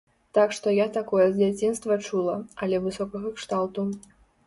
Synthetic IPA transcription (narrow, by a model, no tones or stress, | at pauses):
t̪akʂt̪ɔjat̪akɔjɛzʲd͡zʲat͡sʲinst̪vɐt͡ʂulˠɐɐlʲɛvɨsɔkɐɣɐkʂt̪alt̪u